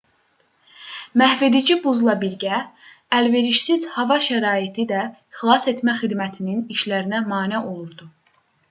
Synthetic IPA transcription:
mæhved̪id͡ʒibuzlˠɑbiɾɟæ | ælve̞ɾiʃsiz̥hɑvɑʃæɾɑːit̪ʰid̪æ | xlˠɑse̞t̪mæχid̪mæt̪ʰininiʃlæɾinæmɑːnæʔo̞lˠuɾd̪u

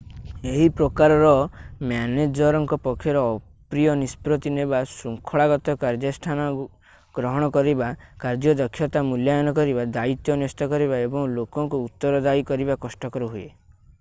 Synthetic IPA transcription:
eɦipɾɔkaɾɔɾɔmjaned͡ʒɔɾɔŋkɔpɔkʰːjɔɾɔː | pɾijɔnispɾot̪inebasuŋkʰɔɭaɡɔt̪ɔkaɾd͡ʒɔsʈʰanɔ | ɡ̥ɾɔɦɔɽ̃ɔkɔɾibakaɾd͡ʒɔd̪ɔkʰjɔt̪amuljajɔnɔkɔɾibad̪ait̪jɔnjɔst̪ɔkɔɾibaebɔŋlokɔŋkuːt̪ːɔɾɔd̪ajkɔɾibakɔsʈɔkɔɾuɦuḛ

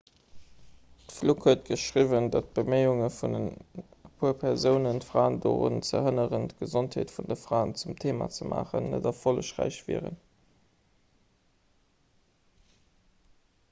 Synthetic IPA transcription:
təflukhuət̚ɡ̥əʃʁivəndɑt̚b̥əmeɪuŋəfundənpʰuːɐpʰɛʁzəʊnəntfʁaːndoʁṵnt͡sə̰hənəʁəntɡ̥əzontheːtfundəfʁaːnt͡sumtʰeːma̰t͡səma̰ːχə̰nːə̰dɑfoləʃʁæ̰ɪɕvḭːʁə̰n

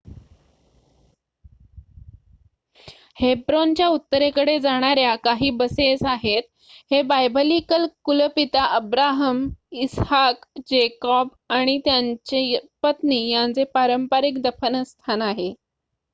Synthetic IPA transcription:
hebɾont͡ɕjaut̪ːəɾekəɽed͡zaɽ̃aɾjakaɦiːbəsesaɦet̪̚ | hebajbəlikəlkuləpit̪aʔəbɾaɦəmishakd͡ʑekɔb | aɽ̃it̪jaɲt͡ɕepət̪niːjant͡sepaɾəmpaɾikd̪əfənəst̪ʰanaɦe

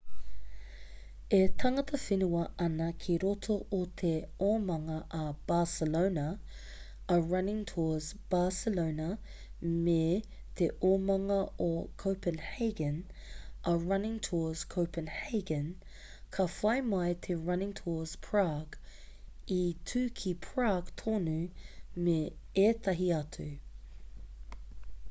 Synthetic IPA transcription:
et̪ʰɐŋət̪ʰəfɪnuwɐɐnɐkʰiɾɔt̪ʰoot̪ʰeɔmaŋɐʔab̥aːsəloʊnə | ɐɹɐnɪ̃ŋtʰɔzb̥aːsəloʊnə | me | t̪ʰeʔɔːmaŋɐʔokʰoʊpənheɪɡən | ʔɐɹɐnɪ̃ŋtʰɔz̥kʰoʊpənhɛɪɡə̃n | kʰafaɪmaɪt̪ʰeɹɐnɪ̃ŋtʰɔːz̥pʰɹ̥aɡ | itʰʉːkʰipʰɹaɡt̪ʰonʉmeet̪ʰɐɦiatʰʉ

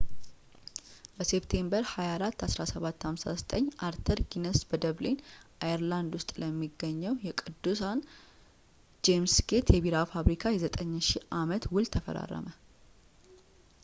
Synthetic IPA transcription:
bəse̞pt̪ʰe̞mbəɾhajaːɾat̪ːasɾasəβat̪ːhamsa̰zət̪ʼəɲːʔaɾt̪ʰəɾɡinəsbəd̪əβlenʔajəɾland̪wʊst̪ʼləmːiɡːəɲːəwjɛkʼɨd̪ːusan | d͡ʒemsɡe̞t̪jɛβiɾafaβɾikʰajɛzət̪ʼəɲːʃiʔamət̪wʊlt̪ʰəfə̰ɾa̰rːə̰mə

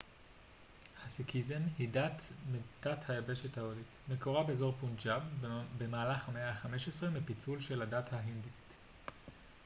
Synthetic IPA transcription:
hasikʰizenhidat̪med̥athajabeʃethaolitmekoʁabeːzo̞ʁpund͡ʒabbe̞maːlaχmeaχameʃesʁemipit͡sulʃe̞ladathaɦindit

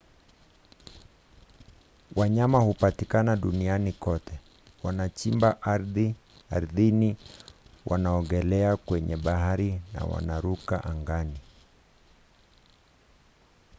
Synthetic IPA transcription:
waɲamahupatikanaɗunianikɔtɛ | wanat͡ʃimbaʔɾði | aɾðini | wʔa̰naɔɡɛlɛakwɛɲɛɓaɦaɾina̰wa̰naɾukaʔaŋɡani

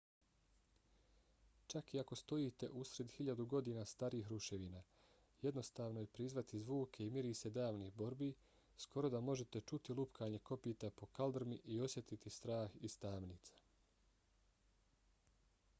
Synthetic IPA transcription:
t͡ʃakiako̞st̪o̞jiːt̪e̞ʔusɾe̞d̪xiʎad̪uɡo̞d̪iːnaːst̪aːɾiːxɾuʃe̞ʋiːnaː | je̞d̪no̞st̪aːʋno̞je̞pɾizʋat̪izʋuːkʰe̞imjiɾiːse̞d̪aːʋniːbo̞ɾbi | skʰo̞ɾo̞d̪amo̞ʒe̞t̪e̞t͡ʃut̪ilˠupkʰaːɲe̞ko̞piːt̪apo̞kald̪ɾmiʔio̞sje̞t̪it̪ist̪ɾaːxist̪aːmniːt̪sḁ

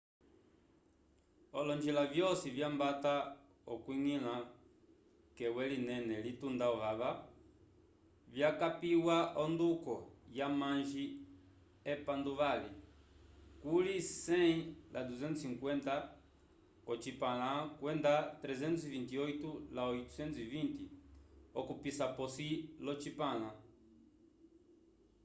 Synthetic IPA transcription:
ɔlɔnd͡ʒilavjɔsivjambata | ɔkwiŋilã | kɛwɛlinɛnɛlitundaɔβaβa | vjakapiwaʔɔndukɔjamãnʒi | ɛpanduβalɛ | kulisɛĩlʔaduzɛntusiŋkwɛnta | kɔt͡ʃipalakwɛndat̪ɾɛzɛntsivintiɔitulaɔitu̥sɛnivintiɔkupisapɔsilɔt͡ʃipala

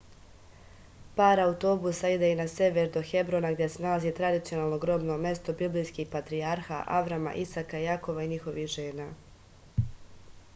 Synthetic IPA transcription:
paːɾaut̪o̞busaid̪einase̞ʋeɾd̪o̞xe̞bɾo̞naɡd̪ʲje̞senaalazit̪ɾad̪it̪sijo̞naːlˠno̞ɡɾo̞bno̞me̞st̪o̞biblijskihpat̪ɾiaɾxa̰ʔa̰ʋɾama̰ʔisakajako̞ʋaiɲixo̞ʋihʒeːnaː

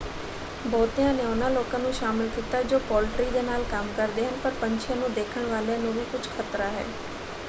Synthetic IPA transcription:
bɔːt̪ijãːneʊnãːloːkãːnũːʃaːmɪlkiːt̪aːd͡ʒoːpɔːlʈɾiːd̪eːnaːlkəmkəɾd̪eːɦənpəɾpəɲt͡ʃʰɪjãːnũːd̪eːkʰəɽ̃ʋaːleãnũːbʱiːkʊt͡ʃʰkʰət̪ɾaːɦɛ̰ː

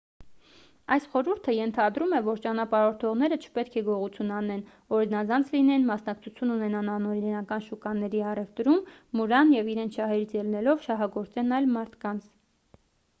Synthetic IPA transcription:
ɑjsχɔɾuɾt̪ʰəjɛnt̪ʰɑd̪ɾumɛvɔɾt͡ʃɑnɑpɑɾɔɾt̪ʰɔʁn̪ɛɾət͡ʃʰə̥pɛt̪̚kʰɛɡɔʁut͡sʰjunɑnɛn | ɔɾinɑzɑnt͡sʰlinɛnmɑsnɑkt͡sʰut͡sʰjunːunɛnɑnɑnɔɾinɑkɑnʃukɑnːɛɾiɑrɛvt̪ɾumːuɾɑnjɛviɾɛnt͡sʰʃɑɦɛɾit͡sʰjɛlnɛlɔvʃɑɦɑɡɔɾt͡sɛnɑjlmɑɾt̪ʰkɑnt͡sʰ

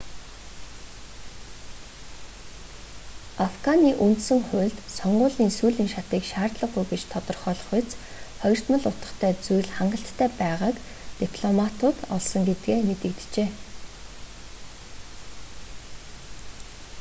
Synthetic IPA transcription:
afɡaniːʔunt̪sɘ̆ŋχʊ̟ːɮt̪sɔɴɢʊːɮiːnsuːɮiːŋʃat̪iːkʃaːrt̪ɮə̆ɢɡujɡet͡ɕt̪ʰɔt̪ɞ̆rχœːɮɞ̆χʊt͡s | χɔjɞ̆r̥t̪mə̆ɮʊt̪ə̥̆χt̪ʰæːt͡sujɮχaɴɢə̆ɬt̪ʰːæːpæːʁaːk | t̪ipʰɮɔmat̪ʊːt̪ɔɮsɞ̆ŋɡet̪ɡeːmet̪ɘ̆kt̪̆t͡ɕeː

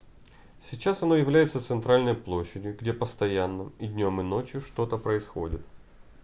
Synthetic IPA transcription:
sʲit͡ɕːasɐno̞jɪvlʲæjɪt̪sət̪sɨnt̪ɾalʲnəjplˠo̞ɕːɪdʲjʊɡdʲe̞pəst̪ɐjanːɨmɪdʲnʲo̞mɪno̞t͡ɕjʊʂt̪o̞t̪əpɾəɪsxo̞̰dʲɪt̪

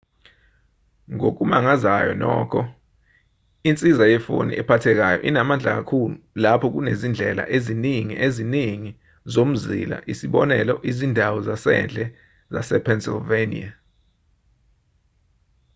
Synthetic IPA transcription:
ŋok̬umaŋazajɔ̰nɔ̰ːkʰɔ | int͡sʼizajɛfo̰nḭʔɛpʰatʰɛk̬ajɔʔinamand͡ɮʱak̬akʰululapʰɔk̬unezind͡ɮʱɛla̰ʔeziniŋḭʔeziniŋi | zom̩zḭla̰ʔisiɓɔnɛlɔʔizindʱawɔzasɛ̰nd͡ɮʱɛ | zasɛpʰɛnsilvenḭa

